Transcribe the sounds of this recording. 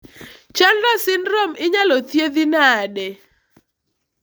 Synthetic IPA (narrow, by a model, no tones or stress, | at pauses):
t͡ʃanɾɔsɪnromɪɲalɔt̪jed̪inadɛ